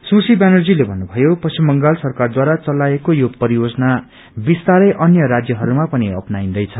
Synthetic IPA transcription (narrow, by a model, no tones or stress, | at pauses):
susibanʌrd͡zilebʱʌnːubʱʌjopʌsimːʌŋɡalsʌrkard̪waɾat͡sʌlaekojopʌɾijod͡zʌna | bist̪aɾʌjʔʌnjʌɾad͡zjʌɦʌɾumapʌniʌ̰pnaind̪ʌjt͡sʰʌ